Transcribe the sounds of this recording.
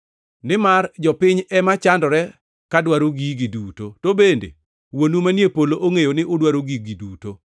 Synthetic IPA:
nɪmard͡ʒɔpɪɲɛmat͡ʃandɔɾɛ | kadwaɾoɡiɡiduːtotobendḛ | wonumanjepoloʔoŋejonɪʔodwaɾoɡiɡiduto

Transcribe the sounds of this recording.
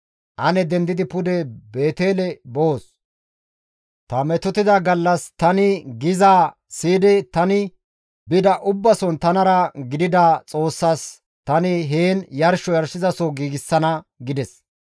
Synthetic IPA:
ʔɐnɛd̪ɛnd̪ɪd̪ɪpʊd̪ɛbe̞ːt̪e̞ːlɛboːs | t̪ɐmɛt̪ɔt̪ɪd̪ɐɡɐlːɐst̪ɐnɪɡɪzaː | siːd̪ɛt̪ɐnɪ | bɪd̪ɐʔʊbːɐsɔnt̪ɐnɐɾɐɡɪd̪ɪd̪ɐt͡sʼo̞ːsːaːs | t̪ɐnɪɦeːnjɐɾʃɔjɐɾʃɪzɐsɔɡiːɡɪsːɐnɐɡɪd̪ɛs

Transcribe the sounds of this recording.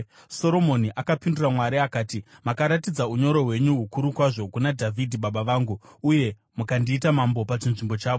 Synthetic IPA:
so̞ɾo̞mo̞niʔakapinduramwaɾiakaːtimakaɾatid͡zauɲo̞ɾo̞ɦwe̞ɲuɦukuɾukwaʐo̞kunadʱavʱidʱiɓaɓaʋaːŋɡuuje̞ | mukandiːtamambo̞pat͡ʃinʐimbo̞t͡ʃaːʋo

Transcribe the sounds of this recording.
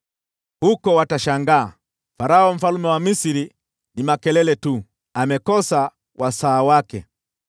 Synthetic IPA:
hukɔwataʃaŋɡa̰ː | faɾaɔm̩falumɛwamisiɾi | nimakɛlɛlɛtu | amɛkɔsa | wʔasaːwakɛ

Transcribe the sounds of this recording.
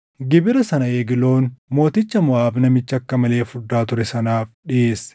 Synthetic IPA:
ɡɪbɪɾɐsɐnɐeːɡɪlo̞ːnmo̞ːt̪ɪt͡ʃːɐmʊaːbnɐmɪt͡ʃːɐkːɐmɐle̞ːfʊd̪ːaːt̪ʊɾɛsɐnaːfᶑɪʔeːsɛ̥

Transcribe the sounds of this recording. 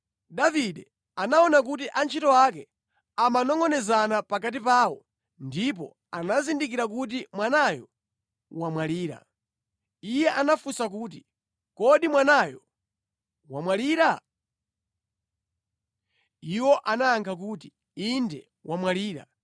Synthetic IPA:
daviɗɛ | anaɔnak̬utiʔant͡ʃʰitɔwak̬ɛ | amanɔŋɡɔnɛzanapakatipaːwɔ | ndip̬ɔ̰ | anazindik̬iɾak̬ut̬imwanajɔ̰ | wamwaliːɾa̰ | ijɛʔanafusak̬uːt̬i | kɔɗimwanajɔ | wamwaliːɾa | iwɔʔanaːŋkʰak̬uːt̬i | indɛ | wʔamwaliːɾa̰

